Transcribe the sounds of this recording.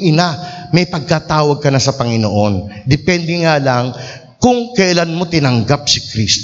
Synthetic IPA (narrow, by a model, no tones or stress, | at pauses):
ʔɪnamɐjpɐɡ̚kat̪aːwɐɡ̚kɐnasɐpɐŋɪnoʔo̞nd̪ɛpɛnd̪ɛŋaːlaŋ | kʊŋkɐʔɐlanmo̞t̪ɪnɐŋɡap̚sɪkɾist̪